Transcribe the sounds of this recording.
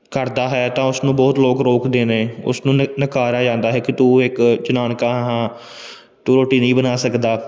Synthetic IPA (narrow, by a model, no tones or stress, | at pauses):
kəɾd̪aːɦɛːt̪ãːʊsnũːbɔːt̪loːkɾoːkd̪eːneːʊ̰snũːnəkaːɾaːd͡ʒãːnd̪aːɦɛːkɪt̪uːɪkt͡ʃʊnaːnkãːɦãː | ʈuːɾoːʈiːnəĩːbənaːsəkd̪aː